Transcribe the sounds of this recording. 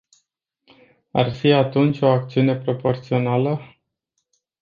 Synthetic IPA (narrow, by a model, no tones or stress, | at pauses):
a̰rfiat̪unt͡ʃʲo̞ak̚t̪siune̞pɾo̞po̞rt̪sio̞nalə